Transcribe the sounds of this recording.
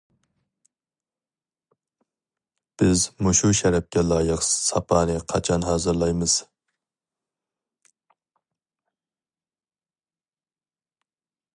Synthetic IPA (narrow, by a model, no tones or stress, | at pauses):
b̥ɪzmuʃuʃɛɾɛp̚kʲɛlˠɑːjəqsɑpʰɑːnɨqʰɑt͡ʃʰɑnɦɑːzɨɾlˠɑjmɨz̥